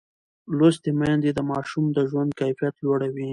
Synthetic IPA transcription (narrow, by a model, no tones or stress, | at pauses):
lost̪emand̪ed̪əmɑʃumd̪əʒwand̪̚kajfijat̪loɽawi